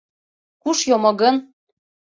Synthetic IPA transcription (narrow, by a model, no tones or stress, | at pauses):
kuʃjomŏɣɤ̆n